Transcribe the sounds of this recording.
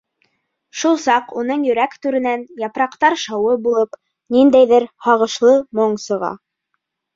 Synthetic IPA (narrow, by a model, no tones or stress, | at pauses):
ʃulˠsɑqun̪ɤɴjɵ̆ɾækt̪ʉɾɘ̆nænjɑpɾɑqt̪ɑɾʃɑwɤbulˠɤp | nind̪æjðɘɾhɑʁɤ̆ʃlˠɤmoɴsɤ̆ʁɑ̰